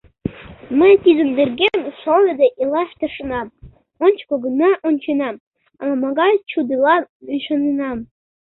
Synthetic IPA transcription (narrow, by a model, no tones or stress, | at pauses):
mə̆jt̪izɘ̆nd̪erɡʲemʲʂŏlˠə̆d̪eʔilˠɑʃt̪ɤ̆ʂɤnɑ | onʲt͡ɕkŏɡɤnɑʔonʲt͡ɕinɑ | ɑmɑɡɑjt͡ɕud̪ɯlˠɑyʃɤ̆ninɑm